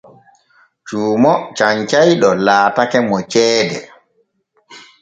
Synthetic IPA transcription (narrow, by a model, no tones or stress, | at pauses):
t͡ʃuːmɔt͡ʃaɲt͡ʃajɗɔlaːtakɛmɔt͡ʃɛːdɛ